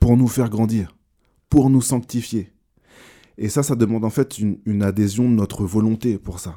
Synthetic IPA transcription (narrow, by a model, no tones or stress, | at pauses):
puʁnufɛʁɡʁɑ̃d̪iːʁ | puʁnusɑ̃k̚t̪ifje | esasad̪əmɑ̃d̪ɑ̃fɛt̪ynynad̪ezjɔ̃d̪ənɔt̪χəvɔlɔ̃t̪epuʁsa